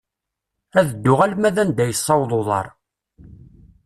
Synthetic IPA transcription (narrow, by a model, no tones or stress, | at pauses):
æðəd̪ːʊʁælmæðænd̪æjəsˤːɑwðˤoðˤɑ̰ɾˤ